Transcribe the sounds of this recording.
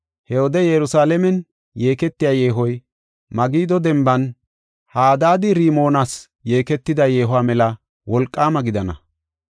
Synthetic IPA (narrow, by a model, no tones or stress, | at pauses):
hɛwɔd̪ɛjɛɾʊsaːlɛmɛn | jeːkɛt̪ːɪjaːje̞ːɦɔj | mɐɡiːd̪ɔd̪ɛmbɐn | haːd̪aːd̪ɪɾiːmo̞ːnaːs | je̞ːkɛt̪ːɪd̪ɐje̞ːɦʊaːmɛlɐ | wɔlkʼːaːmɐɡɪd̪ɐnɐ